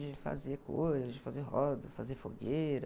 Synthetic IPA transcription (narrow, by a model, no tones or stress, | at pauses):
d͡ʒɪfa̰zeko̰jzɐzd͡ʒɪfazeɦɔd̪ɐfazefo̰ɡejɾɐ